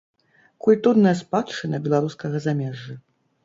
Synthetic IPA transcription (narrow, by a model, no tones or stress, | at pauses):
kulʲt̪ɔnːɐjɐspat̪t͡ʂɨnɐbʲɛlˠaɾuskɐɣɐzamʲɛʐːɐ